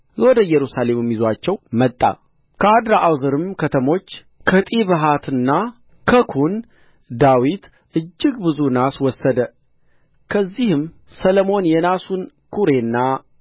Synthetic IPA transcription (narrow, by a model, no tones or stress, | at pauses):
lwɔd̪əjɛɾusale̞mɛmːizwat͡ʃːɛwmət̪ʼːa̰ | kʰəad̪ɾaʔawzɨɾɨmkʰət̪ʰəmo̞t͡ʃː | kʰət̪ʼiβəɦat̪ʰɨnːa | kʰəkʰun | d̪awit̪ | ʔɨd͡ʒːɪɡbɨzunaswɔsːəd̪ə | kʰəzːihɨm | sələmo̞njɛnasun | kʰuɾe̞nːa